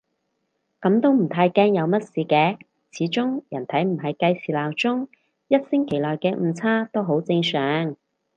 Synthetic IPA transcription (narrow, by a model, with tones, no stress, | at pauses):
kɐ˨˥mt̪o˥wm̩˨˩t̪ʰaː˧jkɛː˥ŋjɐ˨˧wmɐ˥t̚siː˨˧kɛː˧ | t͡sʰiː˨˥t͡sʊ˥ŋjɐ˨˩nt̪ʰɐ˨˥jm̩˨˩ɦɐ˨jkɐ˧jsiː˨laː˨˩wt͡sʊ˥ŋ | jɐ˥t̚sɪ˥ŋkʰe˨˩jlɔː˨jkɛː˧m̩ː˨˧t͡sʰaː˥t̪o˥wɦo˨˥wt͡sɪ˧ŋsœː˨˥ŋ